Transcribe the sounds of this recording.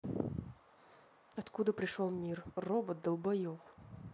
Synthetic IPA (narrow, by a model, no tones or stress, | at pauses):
ɐt̪kud̪əpɾʲɪʂolˠmʲirrobət̪̚d̪əlˠbɐjof